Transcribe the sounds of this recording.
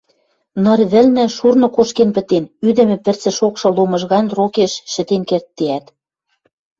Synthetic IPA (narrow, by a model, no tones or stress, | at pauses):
nɤ̆rβɘ̆lnɘ̆ʃurnɤ̆koʃkenpɘ̆t̪enyd̪ɘ̆mɘ̆pɘ̆rt͡sɘ̆ʃokʃɤ̆lomɤ̆ʒɣɑnrokeʃːɘ̆t̪enkert̪ːeæt̪